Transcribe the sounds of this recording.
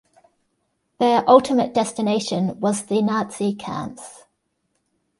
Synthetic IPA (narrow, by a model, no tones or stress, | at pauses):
ðəɹʔʌlˠtʰɪməʔd̥ɛstɪneɪʃə̃nwɒzðənɑˑtsikʰã̰ˑns